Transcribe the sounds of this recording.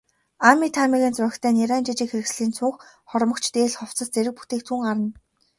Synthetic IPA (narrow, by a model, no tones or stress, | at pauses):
amʲit̪ʰamʲiɣʲiːnt͡sœxʲt̪ʰæːniɾæːnt͡ɕit͡ɕiːkxeɾɘ̆ksɮiːnt͡sʰʊŋx | χɔɾmɞ̆kt͡ɕʰt̪eːɮχɔw̥t͡sə̆st͡seɾɘ̆k̚pu̥t̪ʰeːk̚t̪ʰuŋɢaɾə̆n